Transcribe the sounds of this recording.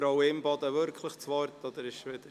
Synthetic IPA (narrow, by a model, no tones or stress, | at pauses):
ɾoʊɪmbɑd̪əʋʏɾkʰləχt͡sʋɑɾt̪ɔd̪əɾɪʃʋɪd̪ə